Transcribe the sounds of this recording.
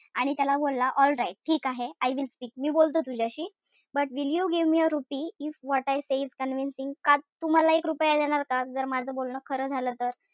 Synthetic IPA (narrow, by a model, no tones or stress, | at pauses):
aɽ̃it̪jalabolːaʔɔlɾaiʈ̚ʈʰiːkaɦeajʋilspiːk̚miːbolt̪əːt̪ud͡ʑʱjaɕiː | bəʈʋiljuɡiʋmiːəɾupiːifʋɔʈajseizkənʋinsiŋɡkat̪um̤alaekɾupəjad̪ɛɽ̃aɾkad͡zəɾmad͡zʱəbolɳəːkʰəɾəːd͡zʱalət̪əɾ